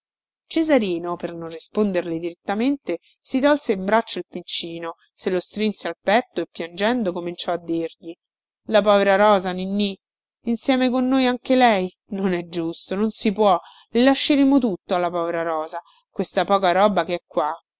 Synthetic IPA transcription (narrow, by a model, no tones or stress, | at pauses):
t͡ʃezaɾiːnopernonrːispond̪erled̪iɾet̪ːament̪e | sit̪ɔlseimbɾat͡ʃːoilpint͡ʃiːno | selost̪ɾinsealpɛt̪ːoepːjand͡ʒɛnd̪okomint͡ʃɔad̪ːirʎi | lapɔːveɾaɾɔːzaninːiː | nsjɛːmekonːojaŋkelɛj | nonɛd͡ʒːust̪ononsipwɔ | lilaʃːeɾeːmot̪ut̪ːoalːapɔːveɾaɾɔːza | kwest̪apɔːkaɾɔːbakeɛkːwa